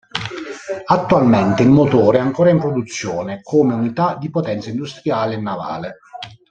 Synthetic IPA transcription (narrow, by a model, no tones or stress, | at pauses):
at̪ːualment̪eilmot̪oːɾɛaŋkoːɾaimpɾod̪ut̪sːjoːnekʰoːmeunit̪ad̪ipot̪ɛnt̪saind̪ust̪ɾiaːleːnːava̰ːle